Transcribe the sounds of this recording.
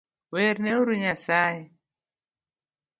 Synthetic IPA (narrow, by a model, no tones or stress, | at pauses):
wɛɾnɛuɾuɲasajɛ